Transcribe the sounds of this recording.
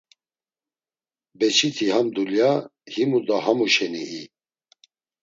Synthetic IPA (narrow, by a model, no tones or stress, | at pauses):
bɛt͡ʃʰit̪ʰihamd̪uljahimud̪aɦamuʃɛniʔi